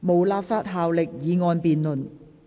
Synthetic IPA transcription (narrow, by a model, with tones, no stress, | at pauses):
mo˨˩wlaː˧pfaː˥t̚ɦaː˨wlɪ˨k̚jiː˨˧ŋɔː˧npiː˨nlɵ˨˩n